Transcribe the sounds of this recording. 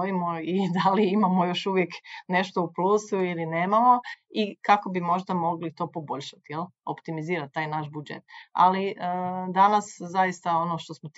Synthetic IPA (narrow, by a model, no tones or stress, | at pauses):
imoid̪aliimamo̞jo̞ʃuʋjekne̞ʃt̪o̞upluːsuiline̞ːmamo̞ikako̞bimo̞ʒd̪amo̞ɡlit̪o̞ːpo̞bo̞ʎʲʃat̪ijelopt̪imiziːɾat̪̚ːaːjnaʃbud͡ʒḛt̪a̰liʔd̪anaszajist̪ao̞no̞ːʃt̪o̞smot̪